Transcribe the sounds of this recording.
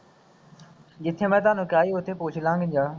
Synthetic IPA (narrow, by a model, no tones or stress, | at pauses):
ʄɪt̪ʰẽːmɛ̃ːt̪ãːnʊkjaːiɦʊt̪ʰeːpoːt͡ʃʰɪlãːŋɡɪnd͡ʑaː